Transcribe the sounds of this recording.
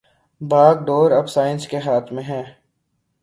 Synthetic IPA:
baːɡ̚ɖoːɾɐbsaːɪ̃nskeɦaːt̪ʰmẽɦɛ̃ː

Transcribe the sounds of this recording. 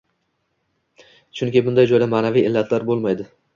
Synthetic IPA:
t͡ʃʰʊŋkʲɪbʊnd̪ajd͡ʒojd̪amaːnavijɪlːat̪ʰlaɾbolˠmajd̪ɪ

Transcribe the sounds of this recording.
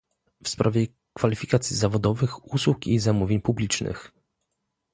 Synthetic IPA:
fspɾʔavʲjɛ | kfalʲifʲikat̪sʲizavɔd̪ɔvɘxuswukizamuvʲjeɲpublʲit͡ʂnɘ̰x

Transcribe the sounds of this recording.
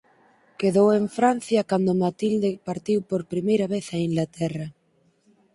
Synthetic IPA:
keðoweɱfɾan̟θjɐkand̪ʊmat̪ild̪epaɾt̪iwpoɾpɾimejɾɐβ̞eθɐiŋɡlat̪ɛrɐ

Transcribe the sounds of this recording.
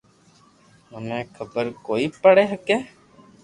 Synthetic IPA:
ɦəmẽːkʰəbəɾkoːiːpəɽeːɦəkeː

